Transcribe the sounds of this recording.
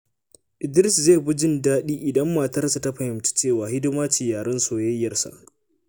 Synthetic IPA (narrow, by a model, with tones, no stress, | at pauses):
ʔɪ˨dɪ˦ɾɪ˦sze˦˨bʊ˦d͡ʒɪ˦˨ndaː˦ɗiː˦ʔɪ˨dɐ˦mːaː˨tɐ˦rsa˨ta˦ɸɐ˨hɪ˨mt͡ʃi̥˦t͡ʃeː˦˨waː˨hɪ˦dɪ˦maː˦t͡ʃiː˨jaː˨ɽɐ˦nsoː˨jɐ˦jːɐ˦˨rsa̰˨ʔ